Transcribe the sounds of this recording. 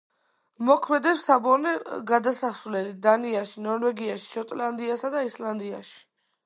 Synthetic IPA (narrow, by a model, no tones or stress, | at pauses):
mɔkʰmɛd̪ɛpsabɔɾnɛɡad̪asasulɛlid̪aniaʃinɔɾwɛɡiaʃi̥ʃɔt̪ʼland̪iasad̪aisland̪ia̰ʃi̥